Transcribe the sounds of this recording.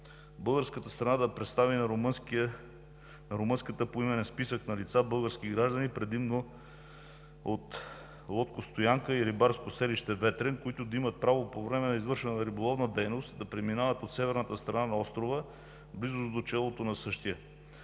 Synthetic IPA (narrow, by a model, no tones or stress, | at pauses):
bɤlˠɡəɾskət̪əst̪ɾɐnad̪ɐpɾɛt̪st̪avinɾmk | nɐɾomɤnskət̪əpoimɛnɛnspisəknɐlit̪sabɤlˠɡəɾsk̟iɡɾaʒd̪ənipɾɛd̪imno | ot̪ | lˠɔt̪kost̪ojaŋkəiɾibaɾskosɛliʃt̪ɛvɛt̪ɾɛnkoit̪ʊd̪ɐimət̪̚pɾavopovɾɛmɛnɐizvɤɾʃɛnənəɾibolˠɔvnəd̪ɛjnost̪d̪ɐpɾɛminavət̪ot̪sɛvɛɾnət̪əst̪ɾɐnanɐɔst̪ɾovə | blizʊzd̪ot͡ʃɛlˠot̪onɐsɤʃt̪ijə